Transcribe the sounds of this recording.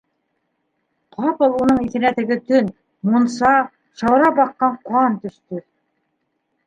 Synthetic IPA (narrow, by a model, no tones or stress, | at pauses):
qʰɑpɤ̆lˠunɤɴiθɘ̆næt̪ɘ̆ɡɘt̪ɵn | munsɑ | ʃɑwɾɑbɑqːɑɴqwɑnt̪ɵ̆ʃt̪ɵ